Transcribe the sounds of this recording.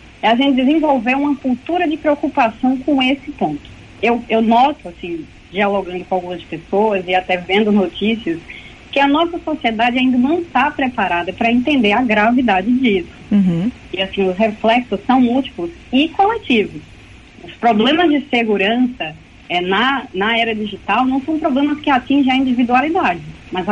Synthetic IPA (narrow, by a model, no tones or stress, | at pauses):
ɛaʒẽnt͡ʃɪd̪ɪzẽvowveũmɐkuwt̪uɾɐd͡ʒɪpɾeokupasɐ̃w̃kõesɪpõnt̪ʊ̥ | ewewnɔt̪ʊasĩ | d͡ʒialoɡɐ̃nd̪ʊkõawɡũmɐspesowɐzɪat̪ɛvẽnd̪ʊnot͡ʃisiɐs | kɪɐnɔsɐsosied̪ad͡ʒɪaĩd̪ɐnɐ̃w̃st̪apɾepaɾad̪ɐpɾɐẽnt̪ẽnd̪eɾɐɡɾavid̪ad͡ʒɪd͡ʒisʊ̥̃ | ɪasĩʊsɦeflɛksʊsɐ̃w̃ut͡ʃi̥pʊsɪkolet͡ʃivʊs | ʊspɾoblẽmɐzd͡ʒɪseɡuɾɐ̃sɐ | ɛnɐnɐɛɾɐd͡ʒiʒit̪awnɐ̃w̃sɐ̃w̃pɾoblẽmɐskɪat͡ʃĩʒẽɐĩd͡ʒivid̪ualid̪ad͡ʒɪ | mɐz